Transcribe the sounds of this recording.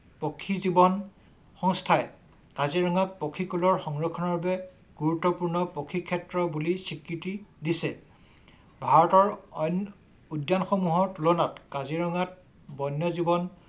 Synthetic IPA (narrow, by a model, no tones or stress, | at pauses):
pokʰːizibɔn | xɔŋstʰaɛ | kaziɹɔŋak̚pokʰːikulɔɹxɔŋɹɔkʰɔnɔɹbɛ | ɡ̥uɹutːɔpuɹnɔpokʰːikʰɛtɹɔbulisikɹitidisɛ | bʱaɹɔtɔɹɔjn | udjanxɔmuɦɔɹtulɔnatkaziɹɔŋat̚ | bɔjnjɔzibɔn